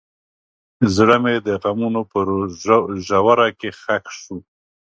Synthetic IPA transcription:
zɽəmed̪əɣamunopəɾoʒawaɾakexakʂu

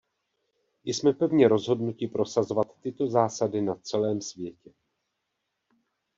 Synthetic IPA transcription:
jɪsmɛpɛvɲɛɾo̞zɦo̞dnucɪpɾo̞sazovat̪ːɪt̪o̞zaːsadɪnat͡sɛlɛːmsvjɛcɛ

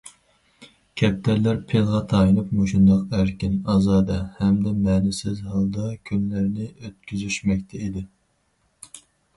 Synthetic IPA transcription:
kʲʰɛp̚t̪ʰæɾlæɾpʰelˠʁɑt̪ʰɑjinupmoʃund̪ɑqæɾkʲɪnɑzɑːd̪ɑhɛmd̪ɛmɛːnɪsɪzhɑlˠd̪ɑkʲʰynlæɾnɪøt̪̚kʲʰyzyʃmɛkʲt̪ʰɛid̪ɪ

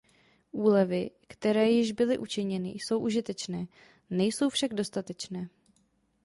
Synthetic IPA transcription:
ʔuːlɛvɪkt̪ɛɾɛːjɪʒbɪlɪʔut͡ʃɪɲɛnɪ̰jso̞wʔuʒɪt̪ɛt͡ʃnɛː | nɛjso̞wfʃaɡdo̞st̪at̪ɛt͡ʃnɛː

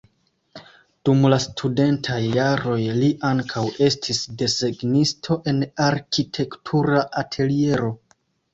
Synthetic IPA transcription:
d̥umlastʰude̞ntʰajːaɾo̞jliʔaŋkʰawe̞stʰisde̞se̞ɡnistʰo̞ʔe̞naɾkitʰe̞ktʰuɾaʔatʰe̞lie̞ɾo̞

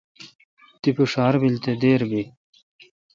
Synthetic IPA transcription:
t̪ipuʂaːɾbilt̪ed̪eːɾbi

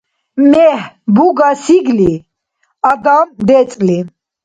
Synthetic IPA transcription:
mɛhbuɡasiɡli | aɡamd̪ɛt͡sʼli

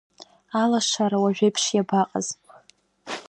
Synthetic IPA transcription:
alaʂaɾawaʒᶣejpʰʂjabaqʼa̰zpʼ

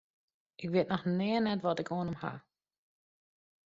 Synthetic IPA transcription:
ʔɪkʋiətnɔxnɛənɛtʋɔtɪkoːənəmha̰

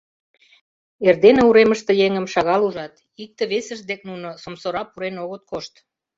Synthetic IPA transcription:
erd̪eneuɾeməʃt̪ĕjeŋə̆mʃɑɣɑluʒɑt̪ | ik̚t̪əβesəʒd̪ek̚nunosomsoɾɑpuɾenoɣət̪̚koʃt̪

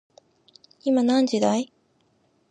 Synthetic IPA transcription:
imanãɲ̟d͡ʑid̪ai

